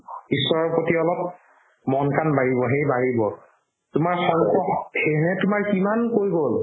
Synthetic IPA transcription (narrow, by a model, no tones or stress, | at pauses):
isɔɹɔpotiɔlɔp̚ | mɔnkanbaɹibɔɦejbaɹibɔ | tʊmaɹxɔɹkɔhenɛtʊmaɹkimankoɹjɡol